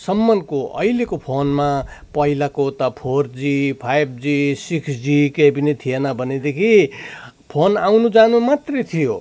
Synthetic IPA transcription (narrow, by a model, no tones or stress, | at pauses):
sʌmːʌnkoʌ̰ilekopʰonmapʌilakot̪ʌpʰord͡zipʰajb̚d͡zisiksd͡zikebinit̪ʰijenʌbʱʌned̪ekʰi | pʰonawnud͡zanumat̪ret̪ʰijo